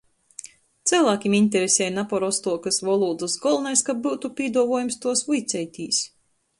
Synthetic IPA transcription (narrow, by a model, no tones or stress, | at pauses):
t̪sæːlˠaːkʲiminʲt̪̬ʲeɾesʲɛːjnapɔɾɔst̪uɔkasvɔlˠuːd̪ɨsɡɔlˠnajskabuwt̪upʲiɛd̪uɔvuɔjumst̪uɔsvujt̪sʲɛjt̪ʲiːs